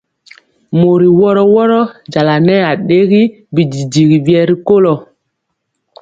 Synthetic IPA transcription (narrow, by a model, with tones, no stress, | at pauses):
mo˨ɾi˨wɔ˦ɾɔ˦wɔ˦ɾɔ˦d͡ʒa˨la˨nɛ˦a˨ɗe˦ɣi˦ | bi˨d͡ʒi˨d͡ʒi˨ɡi˨vi˦ɛ˦ɾi˦ko˦lɔ˨